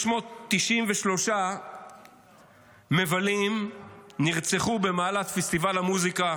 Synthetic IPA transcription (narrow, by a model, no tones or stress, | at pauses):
ʃmo̞t̪ːiʃimveʃlo̞ʃa | me̞valimniʁt͡seχube̞maːlatfest̪ivalamuzika